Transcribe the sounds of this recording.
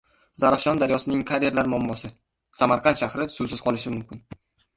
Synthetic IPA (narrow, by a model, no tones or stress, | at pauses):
zaɾafʃɒnd̪aɾjɒsɪnɪŋkʰaɾeɾlaɾmɒmːɒsɪ | samaɾqʰɑnʃahɾɪsʊsɪz̥qʰɒlɪʃɪmʊmkʲʰɪn